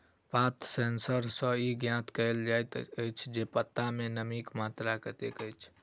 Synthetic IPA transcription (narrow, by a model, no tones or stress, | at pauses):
pat̪sensəɾsə̃iɡjãt̪kəɪld͡ʒajt̪əjt͡ʃʰd͡ʒepət̪ːamenəmikmat̪ɾakət̪ekəjt͡ʃʰ